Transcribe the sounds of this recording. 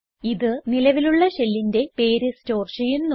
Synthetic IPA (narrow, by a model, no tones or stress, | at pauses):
iðɨnilɐʋiluɭːɐɕelːinde̞pe̞ːɾɨsto̞ːrʂɐjunn